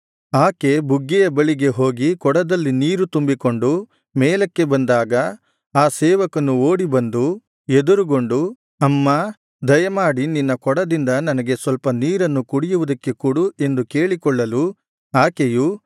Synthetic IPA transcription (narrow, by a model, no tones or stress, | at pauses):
aːke̞buɡːɛjɐbɐɭiɡe̞ɦo̞ːɡikɔɽɐd̪ɐlːiniːɾut̪umbiko̞ɳɖu | mɛːlɐkːe̞bɐnd̪aːɡɐ | aːsɛːʋɐkɐnuoːɽibɐnd̪u | ed̪uɾuɡo̞ɳɖu | ɐmːaː | d̪ɐjɐmaːɽininːɐkɔɽɐd̪ind̪ɐnɐnɐɡe̞sʋɐlpɐniːɾɐnːukuɽijuʋɐd̪ɐkːe̞kuːɽue̞nd̪ukeːɭikɔɭːɐlu | aːkeju